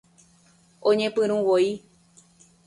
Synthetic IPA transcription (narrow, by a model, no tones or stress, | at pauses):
õɲẽpɨ̃ɾ̃ũwoi